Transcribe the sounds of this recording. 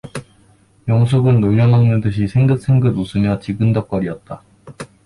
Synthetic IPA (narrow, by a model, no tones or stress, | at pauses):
jʌŋsʰoɡɯnːoʎːʌnɦaŋnɯdɯɕʰisʰeŋdɯk̚s͈ʰeŋɡɯdusʰɯmjʌt͡ɕiɡɯndʌk͈ʌɾiʌt̚t͈a